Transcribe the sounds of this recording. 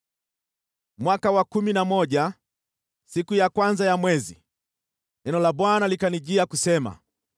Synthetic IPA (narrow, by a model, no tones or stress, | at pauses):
mwakawakuminamɔʄa | sikujakwanzajamwɛzi | ɛnɔlaɓwanalikaniʄiakusɛma̰